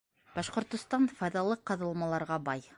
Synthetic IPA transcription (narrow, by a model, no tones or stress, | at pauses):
b̥ɑʃqŏɾt̪ŏst̪ɑnfɑjðɑlˠɤqːɑðɤ̆lˠmɑlˠɑɾʁɑbɑj